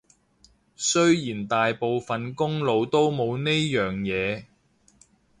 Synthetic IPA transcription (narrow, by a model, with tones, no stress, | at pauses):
sɵ˥ɥjiː˨˩nt̪aː˨jpo˨wfɐ˨nkʊ˥ŋlo˨˧wt̪o˥wmo˨˧wne˥jœː˨ŋjɛː˨˧